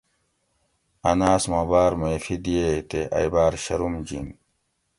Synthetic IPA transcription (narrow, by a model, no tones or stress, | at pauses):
ɐnaːsmabaːɾmefid̪ijet̪eʔa̰jbaːɾɕɐɾumd͡ʑḭŋ